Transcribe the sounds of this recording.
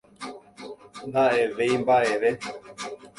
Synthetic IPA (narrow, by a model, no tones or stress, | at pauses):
nd̪aeʋeimbaeʋe